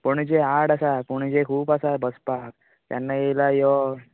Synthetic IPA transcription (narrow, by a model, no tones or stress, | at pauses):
pəɳd͡ʑeaɽasapəɳd͡ʑekʰuːpasabəspak̚ | t̪ja̰nːajelajɔ